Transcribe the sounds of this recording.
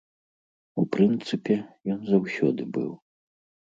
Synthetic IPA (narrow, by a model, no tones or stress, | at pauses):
upɾɨnt̪sɨpʲɛjɔnzawsʲɔ̰d̪ɨbɨ̰w